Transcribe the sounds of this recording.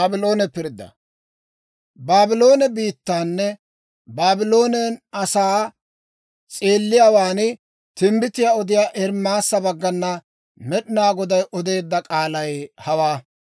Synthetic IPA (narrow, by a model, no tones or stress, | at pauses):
aːbɪlo̞ːnɛpɪɾd̪ːɐ̰ | baːbɪlo̞ːnɛbiːt̪ːaːnːɛ | baːbɪlo̞ːnɛnɐsaː | t͡sʼe̞ːlːɪjaːwaːnɪ | t̪ɪmbɪt̪ɪjaːɔd̪ɪjaːʔɛɾmaːsːɐbɐɡːɐnːɐ | mɛɗɪnaːɡɔd̪ɐjʔɔd̪e̞ːd̪ːɐkʼaːlɐjhɐwaː